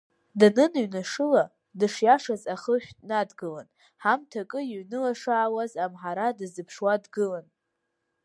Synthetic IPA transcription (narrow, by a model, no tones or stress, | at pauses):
danɨnɥnaʂɨla | dɨʂjaʂazaχəʃᶣʲtʼnadɡɨla̰n | ħamtʰakʼɨjiɥnɨlaʂaːwazamħaɾadɨzɨpʰʂwadɡɨlan